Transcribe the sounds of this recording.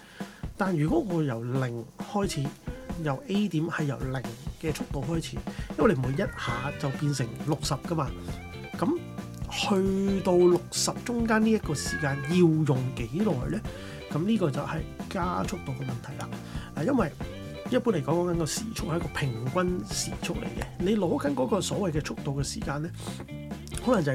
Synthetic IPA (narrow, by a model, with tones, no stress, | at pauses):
t̪aː˨njyː˨˩kɔ˨˥ŋɔː˨˧jɐ˨˩wlɪ˨˩ŋhɔː˥jt͡sʰiː˨˧˥jɐ˨˩wʔe˥jt̪iː˨˥mhɐ˨jːɐ˨˩wlɪ˨˩ŋkɛː˧t͡sʰʊ˥k̚t̪o˨˧wɦɔː˥jt͡sʰiː˨˥jɐ˥nwm˨u˨˧jɐ˥t̚haː˨˧t͡sɐ˨wpiː˧nsɪ˨˩ŋlʊ˨k̚sɐ˨p̚kɐ˧˥maː˧ | kɐ˨˥m | hɵ˧ɥt̪o˧wlʊ˨k̚sɐ˨p̚t͡ʃʊ˥ŋkaː˥nniː˥jɐ˥t̚kɔː˧siː˨˩kaː˧njiː˧wjʊ˨ŋke˨˥jlɔ̰ː˨˩jlɛː˥ | kɐ˨˦mniː˥kɔː˧t͡sɐ˨whɐ˨jkaː˥t͡ʃʰʊ˥k̚t̪o˨wkɛ˧mɐ˨nt̪ʰɐ˨˩jla̰ː˨˧laː˨˩jɐ˥nwɐ˨j | jɐ˥t̚pu˥nle˨˩kɔː˨˥kɔː˨˥ŋkɐ˨˦nkɔː˧sḭː˨˩t͡ʃʰʊ˥k̚hkɔː˧pʰɪ˨˩ŋkʷɐ˥nsiː˨˩t͡ʃʰʊ˥k̚lḛ˨˩jkɛ̰˧ne˨˧jlɔː˨˧˥kɐ˨˦nkɔː˨˥kɔː˧sɔː˨˥wɐ˨jkɛː˧t͡ʃʰʊ˥k̚t̪o˨wkɛː˧sḭː˨˩kaː˧nlɛː˥ | hɔ˨˥lɐ˨˩ŋt͡sɐ˨˩